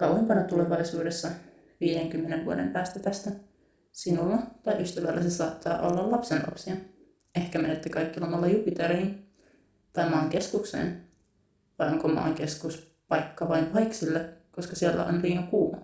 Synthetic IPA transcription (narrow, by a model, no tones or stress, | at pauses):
kɑwempɑnɑt̪ule̞ʋɑjsuːdesːɑ | ʋiːdeŋkymːeneʋʋuo̰dempæːst̪æt̪æst̪æ | sinulːɑt̪ɑjʔyst̪æʋælːæsesɑːt̪ːɑːʔo̞̰lːɑlɑpsenlɑ̰psiɑ | e̞hkæmenet̪ːykɑjkːilɑmɑlːɑjupit̪eɾihin | t̪ɑjmɑːŋke̞skuksḛːn | ʋɑjoŋkomɑ̰ːŋke̞skus | pɑjkːɑʋɑjnʋɑjksilːeko̞skɑsielːæ̰o̰nliːŋɑkuː